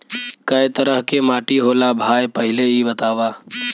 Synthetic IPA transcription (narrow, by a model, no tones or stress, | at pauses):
kɐjt̪əɾəɦkemaːʈiɦoːlabʱaːjpɐɦɪleibɐt̪aːʋaː